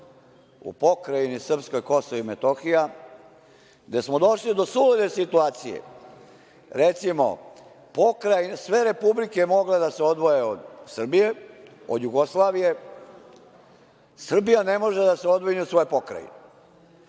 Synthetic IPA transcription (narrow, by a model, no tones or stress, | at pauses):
ṵpo̞kɾajinisr̩psko̞jko̞soʋimet̪oxija | d̪e̞smo̞d̪o̞ʃlid̪o̞suled̪esit̪uaːt̪sijḛ | ɾet̪simo̞̰ | po̞kɾajsʋe̞ɾe̞publikemo̞ɡled̪aseo̞d̪ʋo̞jeod̪sr̩bije̞ | od̪juɡoslˠaːʋije̞ | sr̩bijane̞mo̞ʒed̪aseo̞d̪ʋiɲusʋo̞jpo̞kɾa̰jḭne